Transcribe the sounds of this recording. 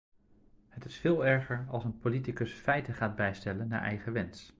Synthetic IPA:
hətɪsfɪːlˠɛɹχəɹɑ̰lˠsənpolitikɵsfɛjtəχaːd̚bɛjstɛlənːa̰ːɹʔɛ̰jχəʋɛns

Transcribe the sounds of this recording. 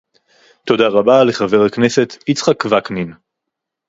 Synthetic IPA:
t̪o̞d̪aʁabaleχave̞ʁhaknese̞t̪it͡sχakvaknin

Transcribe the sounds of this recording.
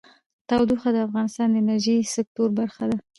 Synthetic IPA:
t̪ɑwd̪uxad̪əafɣɑnɪst̪ɑnd̪əɪnaɾʒisɪk̚t̪oɾbaɾxad̪a

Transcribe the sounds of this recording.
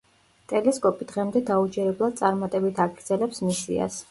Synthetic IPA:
t̪ʼɛlɛskʼɔpʼid̪̥ʁɛmd̪ɛd̪aud͡ʒɛɾɛblˠad̪̥̚t̪sʼaɾmat̪ʼɛbit̪ʰaɡɾd̪zɛlɛpsmisḭa̰s

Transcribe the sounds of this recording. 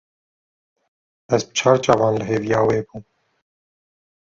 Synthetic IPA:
ɛzbə̥t͡ʃʰɑːɾt͡ʃʼaːvɑːnləɦeːvijɑːweːbum

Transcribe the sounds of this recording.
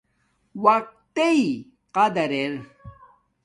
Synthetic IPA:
waq̚t̪ei | qad̪ɐɾeɾ

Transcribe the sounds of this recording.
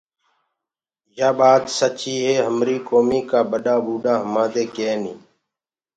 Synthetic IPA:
jaːbaːd̪sət͡ʃiːɦeːɦəmɾiːkoːmiːkaːbəɗaːbuːɗãːɦəmãːd̪eːkeːnḭː

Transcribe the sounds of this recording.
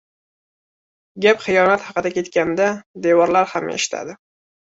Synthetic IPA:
ɡʲapχɨjɒnat̪hɑqɨd̪akʲʰe̞t̪kʲand̪ad̪e̞wɒɾlaɾhamḛʃɪ̥t̪ʰa̰d̪ɪ

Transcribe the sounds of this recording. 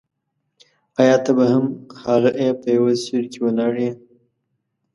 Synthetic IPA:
ajɑt̪abahamxɑɾəʔepəjawasiɾkʰewənaɽe

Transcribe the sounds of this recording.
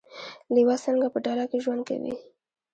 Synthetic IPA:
liwasəŋɡapəɖɑlakeʒwand̪̚ka̰wḭ

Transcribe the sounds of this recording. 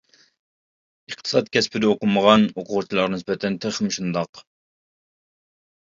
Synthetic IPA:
əχt̪ʰɨ̥sɑt̪̚kʲʰɛspʰɪɾd̪ɛoqʊməʁɑnoqʰʊʁut͡ʃʰilˠɑɾʁɑnɪsbɛt̪ʰɛnt̪ʰɪχmɪʃund̪ɑq

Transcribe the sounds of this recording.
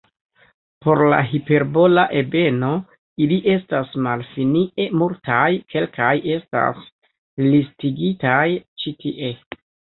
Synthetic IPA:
po̞ɾla̰ɦipe̞ɾbo̞laʔebe̞no̞ | iliʔe̞stasmalfiniʔemultʰajkʰe̞lkaje̞sta̰s | listiɡitajt͡ʃitʰiʔe̞

